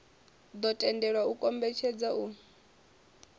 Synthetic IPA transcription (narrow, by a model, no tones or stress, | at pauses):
d̪ɔtʼɛndɛɺwaukʼɔmbɛt͡ʃʰɛd͡zaʔu